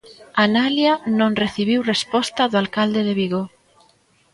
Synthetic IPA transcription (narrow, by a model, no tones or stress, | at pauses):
analjanõŋreθiβiwrespɔst̪aðʊalkald̪eðeβiɣo